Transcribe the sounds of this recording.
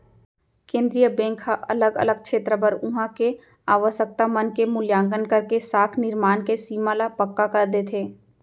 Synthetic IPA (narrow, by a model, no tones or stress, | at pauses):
kẽːnd̪ɾijəbẽːŋkʰːaʔɐ̰ləɡə̰ləɡ̚kt͡ʃʃʰeːt̪ɾəbəɾʊ̃ɦãke | aːʋəʃək̚t̪amənkemʊljãːŋɡənkɐɾkesaːkʰnɪɾmaːnkesiːmalapəkːakɐɾd̪eːt̪ʰeː